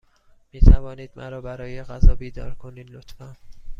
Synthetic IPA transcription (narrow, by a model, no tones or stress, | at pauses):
miːt̪ʰævɒːniːd̪mʔæ̰ɾɒːbæɾɒːjeɣæzɒːbiːd̪ɒ̰ːɾkʰoniːd̪lot̪fæn